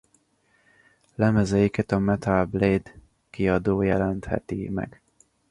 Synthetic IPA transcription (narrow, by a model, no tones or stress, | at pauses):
lɛmɛzɛjikɛt̪ɒmɛt̪albleːd̪ | kiɒd̪oːjɛlɛnt̪hɛ̰t̪ḭmɛ̰ɡ̥